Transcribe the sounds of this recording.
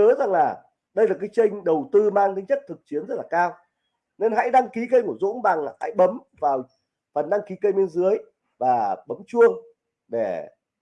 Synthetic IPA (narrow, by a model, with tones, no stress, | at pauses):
əː˨˦za˨˩ŋlaː˨˩ | ɗə˧jlaː˨˩kaː˨˦jt͡ɕə˧jŋ̟ɗə˨˩wt̪ɨ˧maː˧ŋt̪ə˨˦jɲə˦˥t̚t̪ʰɨ˨˩k̚t͡ɕi˨˦ənzə˦˥t̚laː˨˩kaː˧w | ne˧nɦa̰˧˥jɗa˧ŋki˨˦kə˧jku˧˩əzo̰˧˥nɓa˨˩ŋa˨˩ha̰˧˥jɓə˨˦m | vaː˨˩w | fə˨˩nɗa˧ŋki˨˦kə˧jɓe˧nzɨ˨˦əj | vaː˨˩ɓə˨˦mt͡ɕu˧əŋ | ɗe˧˩